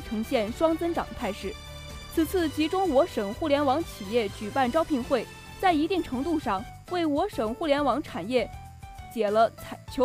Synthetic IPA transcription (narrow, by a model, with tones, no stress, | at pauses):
ʈ͡ʂʰɤ˧˥ŋɕjɛ˥˩nʂwɑ˥ŋt͡sə˥nʈ͡ʂɑ̰˨˩ŋd̪ət̪ʰa˥˧ɪʂɻ̩˥˩ | t͡sʰɹ̩˨˩t͡sʰɹ̩˥˩t͡ɕi˧˥ʈ͡ʂʊ˥ŋwɔ˧˥ʂɤ˨˩ŋxu˥˩ljɛ˧˥nwɑ˧˥ŋt͡ɕʰi˨˩jɛ˥˩t͡ɕy˨˩pa˥˩nʈ͡ʂɑ˥ʊpʰi˧˥nxwe˥˩ɪ | t͡sa˥˩ɪi˧˥t̪i˥˩ŋʈ͡ʂʰɤ˧˥ŋt̪u˥˧ʂɑ˥˩ŋ | we˥˩ɪwɔ˧˥ʂɤ˨˩ŋxu˥˩ljɛ˧˥nwɑ˧˥ŋʈ͡ʂʰa˨˩njɛ˥˩ | t͡ɕjɛ˨˩lə˦t͡sʰt͡ɕʰjo˧˥